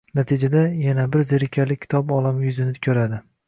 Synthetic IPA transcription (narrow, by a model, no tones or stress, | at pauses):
nat̪ʰɪd͡ʒad̪ajanabɪɾzɪɾɪkʲʰalɪkʲʰːɪ̥t̪ʰɒbɒlˠamjʊzɪnɪkʲʰɵɾad̪ɪ